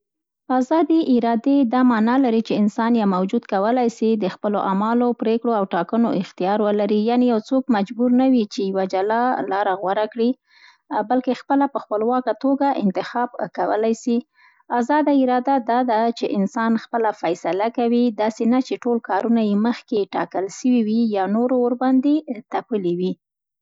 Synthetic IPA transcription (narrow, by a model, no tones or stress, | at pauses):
azɑd̪iʔɪɾɑd̪ed̪ɑmɑnɑlaɾit͡ʃeɪnsɑnjɑmawd͡ʒud̪kawəlajsid̪əxpəloʔamɑlopɾekɽoawʈɑkənoɪxt̪ijɑɾwəlaɾijɑnejawt͡sokmad͡ʒbuɾnawit͡ʃejawad͡ʒalɑlɑɾaɣwaɾakɽi | balkexpəlapəxpəlwɑkat̪oɡaʔɪ̰nt̪ɪxɑb̚kawə̰lajsi | azɑd̪aɪɾɑd̪ad̪ɑd̪at͡ʃeʔɪnsɑnxpəlafajsalakawid̪ɑsenat͡ʃeʈolkɑɾunajeməxkeʈɑ̰kəlʃəwiwijɑnoɾooɾband̪et̪apəliwi